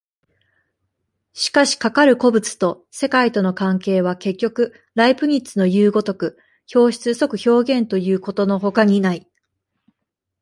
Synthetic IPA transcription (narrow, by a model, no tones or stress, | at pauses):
ɕi̥kaɕi̥kakaɾɯ̟ko̞bɯ̟t͡sɨ̥t̪o̞ | se̞kait̪o̞no̞kãŋke̞ːβ̞ake̞kʲːo̞kɯ̟ | ɾaipɯ̟ɲ̟it͡sɨno̞jɯːɡo̞t̪o̞kɯ̟ | ço̞ːɕi̥t͡sɨso̞kɯ̟ço̞ːɡẽ̞nt̪o̞jɯ̟ːko̞t̪o̞no̞ɦo̞kaɲ̟inai